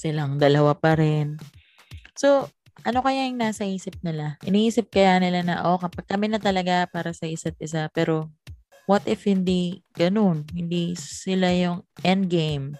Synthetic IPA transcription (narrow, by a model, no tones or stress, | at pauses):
sɪlaŋd̪ɐlɐwapɐɾɛn | so̞ | ʔɐno̞kɐjaŋnaːsɐhiːsɪp̚nɪlaʔɪniiːsɪp̚kɐjanɪlanɐʔo̞kɐpaɡ̚kɐmɪnɐt̪ɐlɐɡapaːɾɐsɐʔɪsat̪̚ʔɪs̬apɛːɾo̞ | wɐt̪ʔɪfhɪnd̪iɡ̥ɐno̞nhɪnd̪isɪlajʊŋʔɛnd̪ɡejm